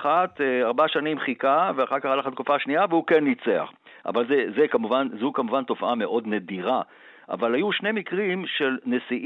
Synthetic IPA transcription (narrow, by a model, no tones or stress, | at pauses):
χat̪eaʁbaʃanimχikaveaχaʁkaχalaχat̪̚kufaʃniavehukenːit͡sea̰χ | ʔa̰valzezekamuvanzukamuvanto̞fame̞ʔo̞dnediʁa | ʔa̰valhajuʃnemikʁimʃe̞lne̞siʔ